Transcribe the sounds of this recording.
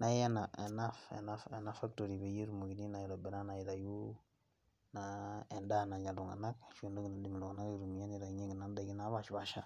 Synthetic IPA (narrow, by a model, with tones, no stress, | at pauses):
na˨˦e˦na˨ḛ˨na˦fḛ˨na˦fe˨na˦fa˦k̚to˨ɾi˨βe˨je˦ɾu˨mo˨ɡi˨ni˦na˨ji˨ɾo˨bɛ˨na˦na˨i˨ɾa˨ju˦ | na˨ɛ˨nda˦˨na˨ɲa˨lu˨ŋa̰˨na˦kʃu˨ndo˦ɡi˨na˨di˨m˨lu˨ŋa˨na˦ɡi˨ɾu˨mi˨ja˦ni˨ɾa˨ɲe˦ɡi˨na˨nda˨ɡi˦na˨˦βa˨ʃba˨ʃa˦